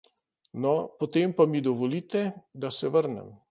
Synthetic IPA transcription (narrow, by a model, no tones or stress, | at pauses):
nɔpot̪eːmpamid̪ɔʋɔliːt̪ɛd̪asɛʋəɾnɛ̰m